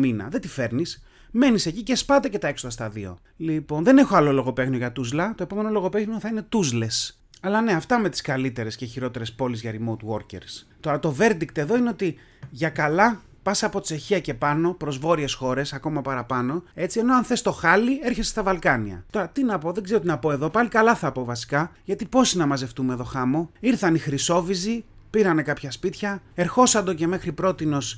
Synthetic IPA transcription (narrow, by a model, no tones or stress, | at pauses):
minɐ̰ðe̞t̪ife̞ɾnis | me̞nise̞cice̞spɐt̪ece̞t̪ɐe̞ksoðɐst̪ɐðio̰ | lipo̞nðe̞ne̞xoɐlo̞lo̞ɣo̞pe̞ɣnioʝɐt̪uzlɐt̪o̞e̞po̞me̞no̞lo̞ɣo̞peɣioθɐine̞t̪uzle̞s | ɐlɐne̞ɐft̪ɐme̞t̪i̥skɐlit̪e̞ɾe̞sceçiɾo̞t̪e̞ɾe̞spo̞lizʝɐɾimot̪wo̞ɾcḛɾst̪o̞ɾɐt̪o̞ve̞ɾd̪ikt̪e̞ðo̞ine̞o̞t̪i | ʝɐkɐlɐ | pɐsɐpo̞̥se̞çiɐce̞pɐno̞pɾo̞zvo̞ɾie̞sxo̞ɾe̞sɐko̞mɐpɐɾɐpɐno̞e̞t͡sie̞no̞ɐnθe̞st̪o̞xɐlie̞ɾçe̞sst̪ɐvɐlkɐniɐ̰t̪o̞ɾɐt̪inɐpo̞ðe̞ɡzeooinɐpo̞eðo̞pɐlikɐlɐθɐpo̞vɐsi̥kɐʝɐt̪ipo̞sinɐmɐze̞ft̪umeðo̞xɐmo̞iɾθɐnixɾiso̞vizi | piɾɐne̞kɐpçɐspit̪çɐe̞ɾxo̞sɐnd̪o̞ce̞me̞xɾipɾo̞t̪ino̞s